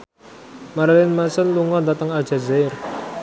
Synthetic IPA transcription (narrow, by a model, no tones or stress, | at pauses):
maɾalɪnmasənluŋɔnd̪at̪əŋḁʒ̥a̤zar